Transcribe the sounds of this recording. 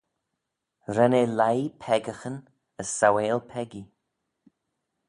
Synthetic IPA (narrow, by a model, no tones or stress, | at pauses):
ɾɛneːlajpʰɛɡəxən | əsːaweːlpʰɛɡi